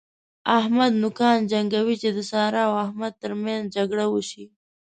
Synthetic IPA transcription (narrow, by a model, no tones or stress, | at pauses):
ahmad̪nʊkɑːnd͡ʒaŋɡawit͡ʃed̪əsɑːɾɑwahmad̪̚t̪əɾmjanzd͡ʒaɡɽawuʃi